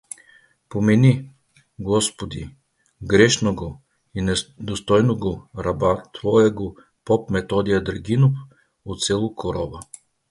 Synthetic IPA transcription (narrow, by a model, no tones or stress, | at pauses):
pomɛni | ɡɔspod̪i | ɡɾɛʃnoɡo | inɛd̪ost̪ɔjnoɡoɾabat̪vɔjaɡo | pɔpmɛt̪ɔd̪ijɐd̪ɾɡʲinop | ot̪sɛlˠokʰoɾɔvɐ